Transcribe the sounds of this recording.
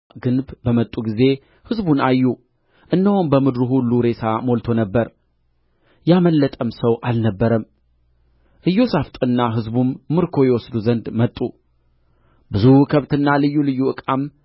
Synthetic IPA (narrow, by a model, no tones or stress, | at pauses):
ɡɨnbbəmət̪ʼːuɡize̞ | hɨzbunajːu | ʔɨnːəhumbəmɨd̪ɾuɦulːuɾe̞sʰamo̞lt̪ʰo̞nəbːəɾ | jaməlːət̪ʼəmsəwʔalnəbːəɾəm | ʔɨjːosaft̪ʼɨnːaɦɨzbumːɨɾkʰo̞jɛwɔsd̪uzənd̪mət̪ʼːu | bɨzukʰəβt̪ɨnːalɨjːulɨjːuʔɨkʼam